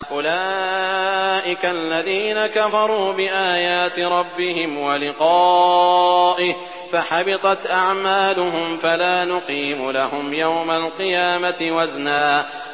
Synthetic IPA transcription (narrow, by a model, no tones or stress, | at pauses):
ʔʊlaː | ʔɪkaʔalːaðiːnakafɑɾˤuːbɪʔaːjaːt̪ɪɾˤɑbːɪɦɪmwalɪqɑː | ʔɪh | faħɑbɪt̪ˤɑt̪ʔaʕmaːlʊɦʊmfalaːnʊqiːmʊlahʊmjawmalqɨjaːmat̪ɪwaznaː